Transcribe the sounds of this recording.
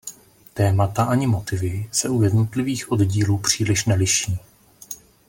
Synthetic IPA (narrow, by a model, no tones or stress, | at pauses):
t̪ɛːmat̪aʔaɲɪmo̞t̪ɪvɪsɛujɛdnot̪lɪviːxʔo̞dɟiːluːpr̝̥iːlɪʃnɛlɪʃiː